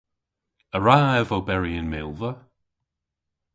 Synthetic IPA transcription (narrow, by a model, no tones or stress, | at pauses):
əɹaɛvobɛɹiɪnmɪlˠvə